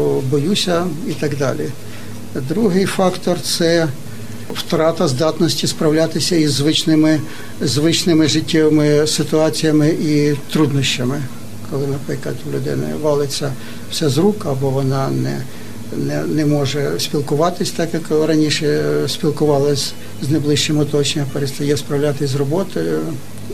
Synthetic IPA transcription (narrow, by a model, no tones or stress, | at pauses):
bɔjusʲɐit̪ɐɡd̪ɑ̰lʲi | d̪ɾuɦɪjfɑkt̪ɔrt̪sɛ | wt̪ɾɑt̪ɐzd̪ɑt̪nɔsʲtʲispɾɐwlʲat̪ɪsʲɐizːʋɪt͡ʃnɪmɪ | zʋɪt͡ʃnɪmɪʐɪtʲːɛʋɪmɪsɪt̪ʊɑt͡sʲijɐmɪʔit̪ɾud̪nɔʃʲt͡ʃɐmɪ | kɔlˠɪnɐpɪkɐt̪ʲlʲʊd̪ɪ̰nɪ̰ʋɑlˠɪt͡sʲːɐ | w̥sʲɛzɾukɐbɔʋɔnɑnɛ̰ | nɛnɛmɔʒɛsʲpʲilˠkʊʋɑt̪ɪsʲt̪ɑkjɐkˠɪɾɐnʲiʃɛsʲpʲilˠkʊʋɑlˠɪsʲ | znɐjblˠɪʃt͡ʃɪmʊt̪ɔt͡ʃenʲɐpeɾɪst̪ɐjɛspɾɐwlʲat̪ɪsʲzrɔbɔt̪ɔjʊ